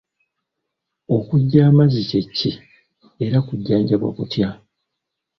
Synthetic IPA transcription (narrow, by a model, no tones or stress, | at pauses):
o̞kuɟːaːmazice̞cːi | e̞ɾakuɟːaːɲɟaβwa̰kutja